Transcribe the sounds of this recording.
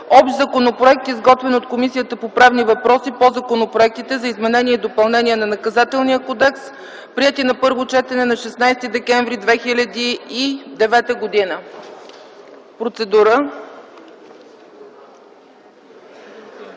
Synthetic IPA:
ɔpʃzɐkonopɾoɛk̚t̪izɡɔt̪vɛnot̪komisijət̪əpopɾavnivɐpɾɔsipozɐkonopɾoɛk̚t̪it̪ɛzɐizmɛnɛniɛid̪opɐlˠnɛniɛnɐnɐkɐzat̪ɛlˠnijəkɔd̪ɛks | pɾiɛt̪inɐpɤɾvot͡ʃɛt̪ɛnɛnɐʃɛsnajst̪id̪ɛkɛɱvɾid̪vɛxilʲɐd̪iːd̪ɛvɛt̪əɡod̪inə | pɾot̪sɛd̪uɾə

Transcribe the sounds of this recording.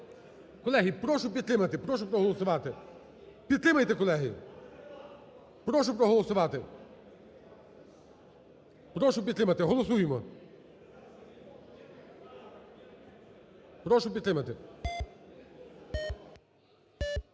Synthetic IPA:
kɔlˠɛɦipɾɔʃup̬ʲjʲit̪lɪmɐt̪ɪpɾɔʃupɾɔɦɔlˠɔsʊʋat̪ɪ | pʲjit̪ɾɪmɐjt̪ɛkɔlˠɛɦɪ | pɾɔʃ̬up̬ɾɔɦɔlˠɔsʊʋat̪ɪ | pɾɔʃup̬ʲjɐt̪lɪmɐt̪ɪɦɔlˠɔs̬ujmɔ | pɾɔʃup̬ʲjit̪lʲɪmɐt̪ɪ

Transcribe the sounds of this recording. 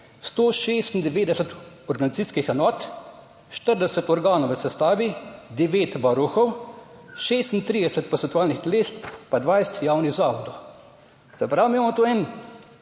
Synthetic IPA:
st̪oːʃeːst̪ind̪ɛʋeːd̪ɛsɛt̪ | ɔɾɡanit̪siskixɛnɔːt̪ | ʃt̪əɾd̪ɛsɛt̪ɔɾɡaːnɔwʋəsɛst̪aːʋid̪ɛʋeːt̪ʋaɾuxɔw | ʃeːst̪int̪ɾiːd̪ɛsɛt̪̚pɔt̪sɛnt̪uaːlnixt̪ɛleːst̪pad̪ʋajst̪jaːwniɣzaːʋɔd̪ɔw | zɛpɾawmiːmamɔt̪oːɛn

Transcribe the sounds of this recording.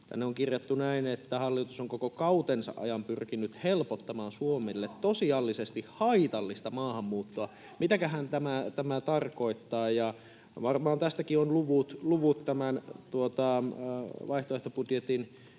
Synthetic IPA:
t̪æ̰nːeoŋkirjot̪ːunæinet̪ːæhɑlːit̪usoŋkokokɑut̪ensɑ̰ʔɑ̰jɑmpyrkinyt̪helpot̪ːɑmɑːnsuomelːet̪tosiɑlːisest̪ihhɑit̪ɑlːist̪ɑmɑːhɑmːuːt̪ːoɑ | mit̪ækæɦænt̪æmæt̪æmæt̪ɑrko̞it̪ːɑːjɑ | ʋɑrmɑːnt̪æst̪ækionluʋut̪luʋut̪tːæmænt̪uot̪ɑ | ʋɑiht̪oeht̪opudjet̪in

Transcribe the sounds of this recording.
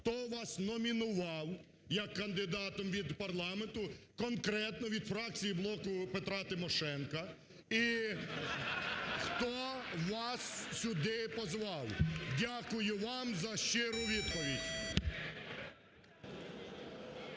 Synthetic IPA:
xt̪ɔʋɑsnɔmʲinʊʋɑw | jɐkːɐnd̪ɪd̪ɑt̪ɔmʋʲid̪pɐrlˠɑment̪ʊkɔnkɾɛt̪nɔʋʲid̪fɾɑk̚t͡sʲijiblˠɔkʊpet̪ɾɑt̪ɪmɔʃɛnkɐ | i | xt̪ɔʋɑssʲʊd̪ɪpɔzʋɑwdʲakʊjʊʋɑmzɐʃt͡ʃɪɾʊʋʲid̪pɔʋʲidʲ

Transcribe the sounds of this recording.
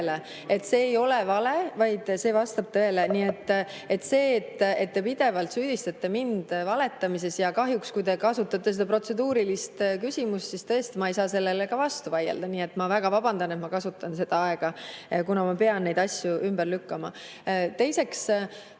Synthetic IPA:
le | e̞t̪ːse̞ːjo̞levɑle̞vɑjd̪̥se̞ːvɑst̪ɑb̥t̪ɤ̞e̞leniːe̞t̪ːˑ | e̞t̪ːse̞ːt̪ːe̞t̪ːe̞pid̪̥e̞vɑlt̪syːd̪̥ist̪ɑt̪ːe̞mind̪̥vɑle̞t̪ːˑɑmis̬e̞sjɑkɑɦjukskujd̪e̞kɑsut̪ːˑɑt̪ːˑesed̪ɑpro̞t̪se̞d̪uːɾilist̪kysʲimust̪sist̪ɤ̞est̪imɑejsɑːse̞lːe̞lekɑvɑst̪uvɑjḛld̪̥ɑniːe̞t̪mɑvæɡ̥ɑvɑb̥ɑnd̪̥ɑne̞t̪mɑkɑsut̪ːˑɑnse̞d̪̥ɑɑe̞ɡ̥ɑkunɑmɑpe̞ɑnnːejd̪̥ɑsʲjuʔymb̥ərlykːɑmɑ | t̪e̞jse̞ks

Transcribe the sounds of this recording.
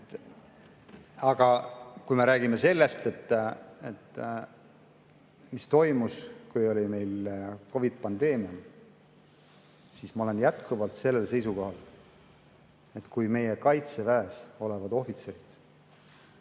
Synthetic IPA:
ɑɡ̥ɑkujme̞ɾæːɡime̞se̞lːe̞st̪e̞t̪ːet̪ːˑ | mist̪o̞jmuskujo̞lʲime̞jlko̞vid̪̥̚pɑnd̪̥e̞ːmiɑm | sismɑo̞le̞njæt̪kuvɑlt̪se̞lːelse̞jsuko̞hɑl | e̞t̪ːkujme̞je̞kɑjt̪se̞væeso̞le̞vɑd̪o̞fit̪se̞ɾid̪̥

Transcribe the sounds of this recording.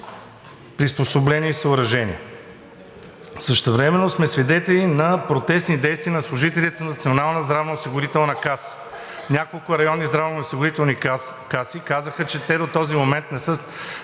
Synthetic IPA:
pɾisposoblɛniisəʊɾɐʒɛnḭɛ | səʃt̪ɛvɾɛmɛnːosmɛsvid̪ɛt̪ɛlinɐpɾot̪ɛsnid̪ɛjst̪viənɐslˠʊʒit̪ɛlʲit̪onɐt̪sionalˠnəzd̪ɾavnɐosiɡʊɾit̪ɛlˠnəkas | nʲakolˠkʊɾɐjɔnːizd̪ɾavnəosiɡʊɾit̪ɛlˠni | kasikazəxət͡ʃɛt̪ɛd̪ot̪ɔzimomɛnt̪nɛsɤ

